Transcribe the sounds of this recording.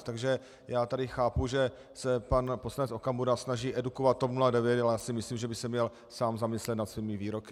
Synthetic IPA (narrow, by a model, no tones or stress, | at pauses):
t̪aɡʒɛ | jaːt̪adɪxaːpuʒɛ | sɛpanposlanɛt͡so̞kamuɾasnaʒiːʔɛdukovat̪̚ːopnuladɛvjɛt̪alɛjaːsɪmɪsliːmʒɛbɪsɛmɲɛl | saːmzamɪslɛt̪nat̪sviːmɪviːɾokɪ